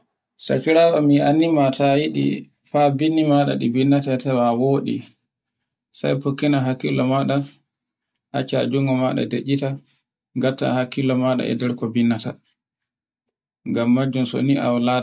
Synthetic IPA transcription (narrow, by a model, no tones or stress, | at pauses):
sa̰kiɾaːɓɔmianːimatʰajiɗḭ | fabinːimaɗa̰ɗibinːatatawawoːɗḭ | sa̰jpokːinaɦakːilɔmaɗa | ʔat͡ʃːa̰d͡ʒuŋɡɔmaɗa̰deʔːita | ŋɡatːa̰hakːilɔmaɗa̰ɛ̰dɛɾkɔbinːata | ŋɡamːad͡ʒːumso̰niʔa̰wlaːa